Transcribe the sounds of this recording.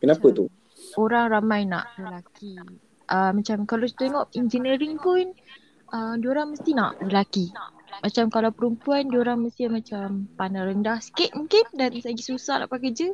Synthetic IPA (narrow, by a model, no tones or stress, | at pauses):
kənapət̪u | oɾaŋramãjna̰ʔləlakʰi | ʔəmat͡ʃamkalawki̥t̪eŋɔʔind͡ʒənəɾiŋpʊn | ədioɾaŋməst̪ina̰ʔləlakiʔmat͡ʃamkalawpəɾumpuandioɾaŋməst̪iamãt͡ʃampanaɾəndahsə̥kɪʔ̪̚mũŋkɪndanslaɡisusahla̰ʔpakəd͡ʒə